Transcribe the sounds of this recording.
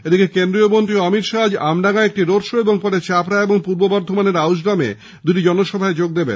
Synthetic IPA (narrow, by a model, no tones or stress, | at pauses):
ed̪ikekend̪ɾiobont̪iɔmiɾʃad͡ʑamnaɡaek̚ʈiɾoɾʃoeboŋpɔʈet͡ɕapɾaeboŋpuɾbobaɾd̪ʱomaneɾawʃ̬ɖamḛ | d̪uʈid͡ʑɔnoʃɔbʱaed͡ʑoɡ̚d̪ebḛn